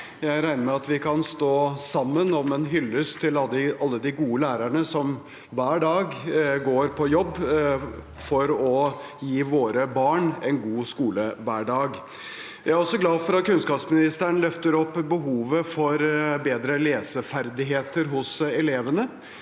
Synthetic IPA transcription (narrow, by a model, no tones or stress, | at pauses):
jæɪɾæɪnəmɛɑt̪ʋɪkʰɑnst̪oːsɑmːənɔmɛnɦʏlːəst̪ʰɪlɑlɪɑlːəd̪ɪɡuːəlæːɾæɳəsɔm | ʋæːɖɑːɡɡoːɾpʰɔjɔbː | fɔɾɔjiːʋoːɾəbɑːɳɛnɡuːskuːləʋæːɖɑːɡ | jæɪæɾɔsːɔɡlɑːd̪fɔɾɑt̪̚kʰʉnskɑːpsmɪnɪst̪æɳ̩lœft̪əɾɔpːbəɦuːʋəfɔɾbeːd̪ɾəleːsəfæɾd̪ɪɦeːt̪əɾɦʊsɛleːʋənə